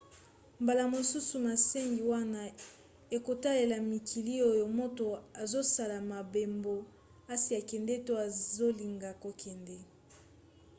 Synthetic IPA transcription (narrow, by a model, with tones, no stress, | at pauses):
mba˨la˨mo˨su˦su˨ma˨se˦ŋɡi˨wa˦na˦ | e˨ko˨ta˦le˨la˨mi˨kʰi˨li˦o˦jo˨mo˦to˨a˨zo˦sa˨la˨ma˨be˨mbo˨ | a˦si˨a˨kɛ˨ndɛ˦to˦a˨zo˦li˨ŋɡa˨ko˨kʰɛ˨ndɛ˦